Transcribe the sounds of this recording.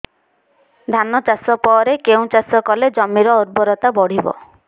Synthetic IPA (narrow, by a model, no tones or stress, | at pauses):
d̪ʱanːɔt͡ʃasɔpɔɾekeũt͡ʃasɔkɔled͡ʒɔmːiɾɔɔɾbɔɾɔt̪abɔɽ̤ibɔ̰